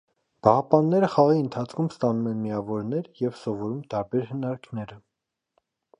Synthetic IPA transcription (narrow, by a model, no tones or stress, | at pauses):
b̥ɑhɑpɑnːɛɾəχɑʁiənt̪ʰɑt͡sʰkʰumst̪ɑnumɛnmiɑvɔɾnɛɾjɛvsɔvɔɾumt̪ɑɾbɛɾhənɑɾkʰnɛɾə